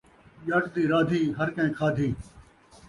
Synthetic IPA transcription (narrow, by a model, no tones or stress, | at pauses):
ʄaːʈd̪iːɾaːd̪ʱiːɦəɾkə̃ẽːkʰaːd̪ʱiː